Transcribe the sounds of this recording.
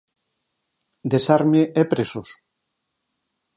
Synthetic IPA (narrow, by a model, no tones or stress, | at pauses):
d̪esaɾmeepɾesos